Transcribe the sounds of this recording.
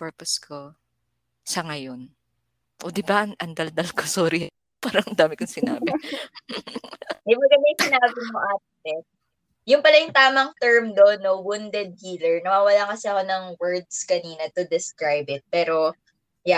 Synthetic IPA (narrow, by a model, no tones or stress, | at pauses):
pɛɹposkʰo | sɐŋɐjon | ʔod̪ɪbaʔɐnʔɐnd̪ɐld̪ɐlkosoːɾɪɛ | paːɾɐŋnd̪aːmɪkoŋsɪna̰ːbɪ | mɐjmɐɡɐnd̪ajsɪnaːbɪmoʔaːt̪̚ɪɛ | jʊŋpɐlɐjʊŋt̪aːmɐŋt̪ɛɹmd̪onːowund̪ɛd̪̚hiːlɛɹnɐwaːwɐlakɐsɛɐko̞nɐŋwɛɹd̪skɐniːnɐt̪ʊd̪ɛskɾajbɪt̪̚pɛːɾo̞ | ja